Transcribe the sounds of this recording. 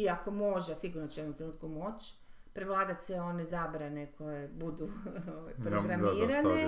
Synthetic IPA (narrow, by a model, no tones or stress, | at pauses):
iako̞mo̞ʒesiɡuɾnot͡ɕejeomt̪ɾenuːt̪kumo̞t͡ʃ | pɾeʋlˠaːd̪at̪seo̞nezabɾane̞kʰo̞jebud̪uoʋa̰jpɾooɡɾamiːɾane